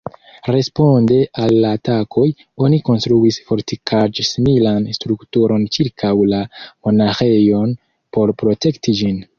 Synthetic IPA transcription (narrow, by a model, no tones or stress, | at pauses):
ɾe̞spo̞nde̞ʔalːaːtakʰo̞j | o̞niko̞nstɾuisfo̞ɾtikʰad͡ʒsimilanstɾuktuɾo̞nt͡ʃiɾkʰawlamo̞naxe̞jo̞n | po̞ɾpɾo̞te̞ktid͡ʒin